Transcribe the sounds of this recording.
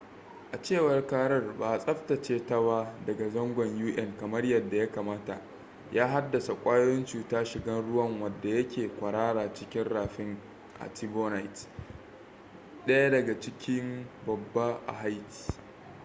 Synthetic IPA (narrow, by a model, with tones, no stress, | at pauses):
ʔa˨t͡ʃeː˦˨wɐ˨rkaː˦ɽɐ˦rbaː˨sʼɐ˦ɸtɐ˨t͡ʃeː˦tɐ˦ba˦dɐ˨ɡa˨zɐ˦ŋɡʷɐ˨ɲjuː˦ʔɛ˦ŋkɐ˨mɐ˦rjɐ˨dːa˨ja˦kaː˨maː˦ta˨ʔ | jaː˦ɦa˦dːɐ˨sa˨kʷʼaː˦joː˦jɪ˦nt͡ʃuː˨taː˦ʃɪ˨ɡɐ˦nɽʊ˦wɐ˦˨ŋwɐ˨dːa˨jɐ˦kʲeː˨kʷɐ˨ɽaː˦ɽaː˨t͡ʃɪ˦kʲɪ˦nɽaː˨ɸɪ˦ŋ | ʔa̰˨ti˦boː˦na˨jt | ɗɐ˦ja˦dɐ˨ɡa˨t͡ʃɪ˦kʲɪ˦mbɐ˨bːa˦ʔa̰˨ɦa˦jti̥˨